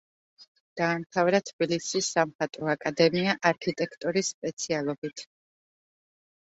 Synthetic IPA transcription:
d̪̥aːmt̪ʰavɾat̪ʰb̥ilisisamχat̪ʼɔakʼad̪ɛmiaʔaɾkʰit̪ʼɛkʰt̪ʼɔɾisːpʼɛt̪sʰialˠɔbit̪ʰ

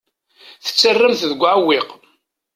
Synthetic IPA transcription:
θə̥t͡sːərːəmθðəɡʷːʕawiq

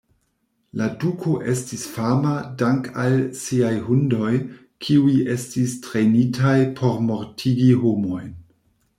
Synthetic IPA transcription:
ladukʰo̞ʔe̞stisfamadaŋkalsiajhundo̞j | kʰiujʔe̞stistɾenitʰajpʰo̞ɾmo̞ɾtʰiɡiɦo̞mo̞jn

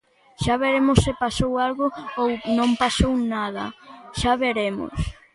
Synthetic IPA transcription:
ʃaβeɾemʊsːɪpasowalɣʊownõmpasownað̞ɐ̰ʃaβeɾemʊ̰s

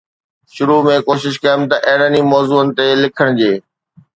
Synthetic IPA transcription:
ʃʊɾumẽkoːʃɪʃkɐjəmt̪ɐʔeːɽənimɔːzuːənɪ̆t̪elɪkʰəɽ̃d͡ʑeː

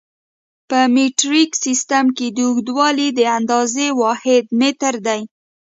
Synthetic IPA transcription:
pəmiʈɾiksist̪amked̪əuɡd̪wɑlid̪əand̪ɑzewɑhɪd̪met̪əɾd̪aj

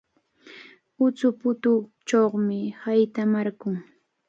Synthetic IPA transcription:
ʊt͡sʊpʊt̪ʊ | t͡ʃoχmɪhajt̪amaɾkʊŋ

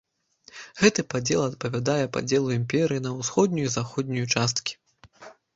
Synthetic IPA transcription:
ɣɛt̪ɨpad͡zʲɛlˠɐt̪̚pɐvʲad̪ajɛpa̰d͡zʲɛlˠuimʲpʲɛɾɨjinɐwsxɔd̪̚nʲujuzaxɔd̪̚ʲnʲujut͡ʂast̪kʲi̥

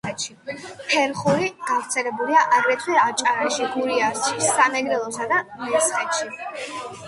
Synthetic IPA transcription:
ɛt̪ʃipʰɛɾχuɾiɡ̥avɾt̪sʰɛlɛbuliaʔaɡɾɛt̪ʰwɛɾat͡ʃʼaɾaʃiɡuɾiasʃisamɛɡɾɛlˠɔsad̪amɛsχɛt̪ʃi

